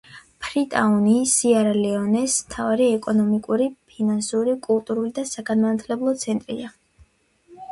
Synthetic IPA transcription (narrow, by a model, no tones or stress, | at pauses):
pʰɾit̪ʼaunisiaɾalɛɔnɛsmt̪ʰavaɾiɛkʼɔnɔmikʼuɾipʰinansuɾikʼulˠt̪ʼuɾulid̪asaɡanmanat̪ʰlɛblˠɔt̪sʰɛnt̪ʼɾḭa